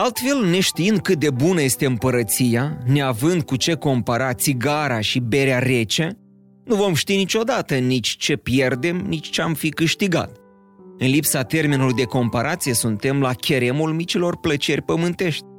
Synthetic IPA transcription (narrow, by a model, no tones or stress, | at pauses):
alt̪fe̞lne̞ʃt̪iind̪̚kɨt̪̚d̪e̞bunəje̞st̪e̞ɨmpəɾət̪sijane̞avɨnd̪̚kut͡ʃe̞ko̞mpaɾat̪siɡaɾaʃibe̞ɾeaɾe̞t͡ʃe | nuvo̞mʃt̪init͡ʃo̞d̪at̪ənit͡ʃʲt͡ʃe̞pje̞rd̪e̞mnit͡ʃʲt͡ʃeamfikɨʃt̪iɡa̰t̪ | ɨnlipsat̪e̞rminulujd̪e̞ko̞mpaɾat̪sije̞sunt̪e̞mlakʲʰe̞ɾe̞mulmit͡ʃilo̞rplət͡ʃe̞rʲpəmɨnt̪e̞ʃt̪̚ʲ